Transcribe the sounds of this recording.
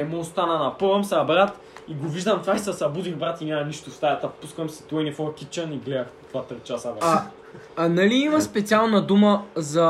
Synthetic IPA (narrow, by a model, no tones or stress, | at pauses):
ɛmost̪anɐnɐpəvəmsabɾat̪ | iɡoviʒd̪ɐmt̪vaisɐsɐbud̪inbɾat̪inʲamɐniʃt̪ʊfsajat̪əfpuskəmsi̥t̪ojnifɔɾkit͡ʃɐniɡlɛɐxt̪vat̪ɾitt͡ʃasəɾa | nɐliimɐspɛt̪sialˠnɐd̪uməzɐ